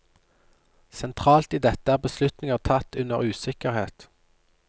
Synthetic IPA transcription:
sɛnt̪ʰʁɑːlt̪iːd̪ɛt̪əæːʁbəslʉt̪nɪŋəʁt̪ʰɑt̪ːʉnə̰ʁʉːsɪkəʁheːt̪

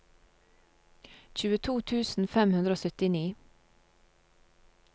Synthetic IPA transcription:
c͡çʉːət̪ʰuːt̪ʰʉːsn̩fɛmhʉnd̪ɾəoːsœt̪ɪniː

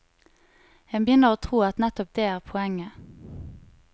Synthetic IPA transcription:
jɛbəjʏnəʁoːt̪ʰʁuːɑt̪nɛt̪ɔp̚d̪eːæːʁpʰʊɛŋːə

